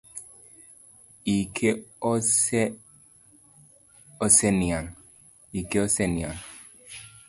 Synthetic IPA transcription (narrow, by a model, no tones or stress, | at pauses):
ikʰeɔse | oseniaŋ | ikeoseniaŋ